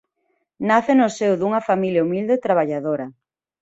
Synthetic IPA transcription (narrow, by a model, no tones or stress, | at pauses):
naθenosewðuŋɐfamiljaumild̪et̪ɾaβaʎaðoɾɐ